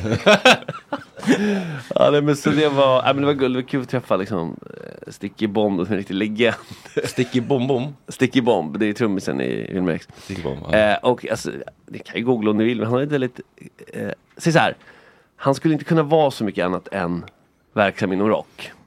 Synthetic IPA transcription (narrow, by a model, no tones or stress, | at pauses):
ɑ̰ːnɛmɛnsɔd̪ɛvaæ̰jmɛnd̪ɛvaɡɵld̪ɛvakʰʉ̟ːlɔt̪ʰɾɛfːalɪksɔ̰mst̪ɪkːəbɔmd̪sɔmɛnɾɪkt̪ɪt̪lɛɡɛnd̪̥st̪ɪkːbɔmbʊmst̪ɪkːɪbɔmbd̪ɛt̪ʰɾɵmːəsə̰nɪ̰vɪ̰lmɛ̰ɾks | ʔɔka̰lsɔ̰d̪ɛkʰanjɵɡuːɡlaɔmd̪ɪvɪlːmɛnanhaɾɪnt̪vɛld̪ɪt̪ | sɛjs̬ahæ̰ːɾ | hanskɵləɪnt̪əkʰɵnːavɑːsɔmʏkːəanːat̪ʰɛn | væɾksamɪnːɔmɾɔ̰kː